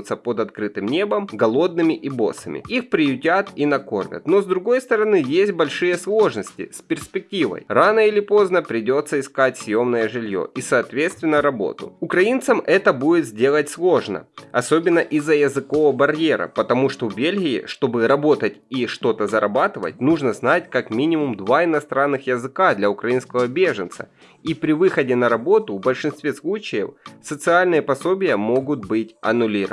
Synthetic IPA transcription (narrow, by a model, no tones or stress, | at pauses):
t̪səpod̪ɐt̪kɾɨt̪ɨmnʲe̞bəmɡɐlˠo̞d̪nɨmʲɪʔibo̞̰sɐmʲɪ̰ixpɾʲɪjʊtʲat̪inɐko̞̰rvʲə̰t̪no̞zd̪ɾʊɡo̞jst̪əɾɐnɨjesʲt̚ʲbɐlʲʂɨjəslˠo̞ʐnəsʲtʲɪ̰sʲpʲɪrsʲpʲɪk̚tʲivə̰jranəɪlʲɪpo̞znəpɾʲɪdʲo̞t̪sːəɪskat̚ʲsʲjo̞mnəjəʐɨlʲjo̰ʔisɐːt̪vʲet̪st̪vʲɪnːəɾɐbo̞̰t̪ʊ̰ʊkɾɐint̪səmʔɛt̪əbudʲɪt̪zʲdʲe̞lˠətʲslˠo̞ʐnə̰ɐso̞bʲɪnːəʔizːəjɐzɨko̞vəbɐrʲje̞ɾə̰pət̪ɐmuʂt̪o̞vbʲelʲɣʲɪ̰ːʂt̪o̞bɨɾɐbo̞t̪ətʲiʂt̪o̞t̪əzɐɾɐbat̪ɨvə̰t̚ʲnuʐnəznatʲkakmʲinʲɪmʊmd̪vaɪnɐst̪ɾanːɨxjəzɨkad̪lʲɐʊkɾɐinskəvəbʲeʐɨnt̪sə̰ | ipɾʲɪvɨxədʲɪnɐɾɐbo̞t̪ʊvbəlʲʂɨnst̪vʲeslˠut͡ɕɪjə̰fsət̪sɨalʲnɨjəpɐso̞bʲɪjəmo̞ɡʊt̪̚bɨtʲɐ̰nʊlʲiɾə̰